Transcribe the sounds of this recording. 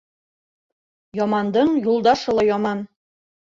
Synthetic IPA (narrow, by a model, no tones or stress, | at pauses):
jɒmɑnd̪ɤɴjulˠd̪ɑʃɤ̆lˠɤjɒmɑn